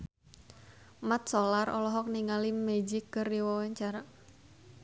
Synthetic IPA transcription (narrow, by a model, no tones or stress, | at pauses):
mat̪̚solarɔ̰lɔɦɔk̚niŋalimed͡ʒikːərdiwɔwaɲt͡ʃaɾa